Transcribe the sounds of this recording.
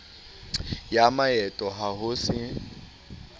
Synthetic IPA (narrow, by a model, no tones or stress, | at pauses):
jamajɛtʼɔɦaɦʊsɪ